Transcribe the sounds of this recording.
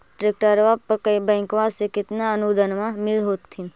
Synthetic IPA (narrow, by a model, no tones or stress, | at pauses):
ʈɾek̚ʈəɾʋapəɾkəbɛ̃ːŋkʋasekɪt̪naənud̪ʱənmãmɪlɦoːt̪ʰːin